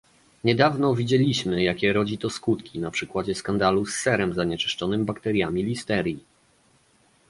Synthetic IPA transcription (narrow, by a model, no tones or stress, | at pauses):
ɲɛd̪avnɔvʲid͡ʑɛlʲiɕmɘjakʲɛɾɔd͡ʑit̪ɔskut̪kʲinapʂɘkwad͡ʑɛskand̪alusːɛɾɛmzaɲɛt͡ʂɘ̥ʂt͡ʂɔnɘmbakt̪ɛɾʲjamʲilʲist̪ɛɾʲji